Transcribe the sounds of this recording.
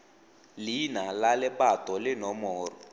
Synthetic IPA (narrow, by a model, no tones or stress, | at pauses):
linalalɪpatɔlɪnɔmɔːrɔ